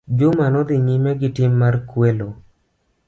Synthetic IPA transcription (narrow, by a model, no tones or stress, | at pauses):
d͡ʒʊmanɔd̪ɪɲɪmɛɡɪtɪmːarkwelo